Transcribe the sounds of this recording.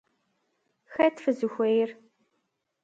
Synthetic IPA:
xɐtfɨzɨxʷejɪr

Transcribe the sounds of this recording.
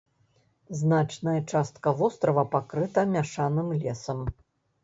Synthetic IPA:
znat͡ʂnɐjɐt͡ʂast̪̚kɐvɔst̪ɾɐvɐpakɾɨt̪ɐmʲaʂanɨmlʲɛsɐm

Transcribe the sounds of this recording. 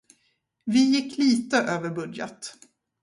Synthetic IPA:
vɪjɪkːliːt̪əʔøːvəɾbɵd̪jə̰t̪

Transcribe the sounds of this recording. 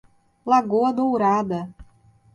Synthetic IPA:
lˠaɡoɐd̪owɾad̪ɐ

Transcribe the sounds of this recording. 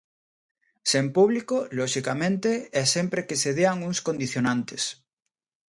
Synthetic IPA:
sempuβlikoloʃikamẽnt̪eɛsempɾekeseðeaŋuŋskond̪iθjonãnt̪es

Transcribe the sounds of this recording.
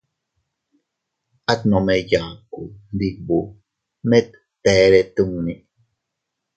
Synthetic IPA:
at̪nomejaːkund̪ik̚bu | mɛt̪ːɛɾet̪uŋni

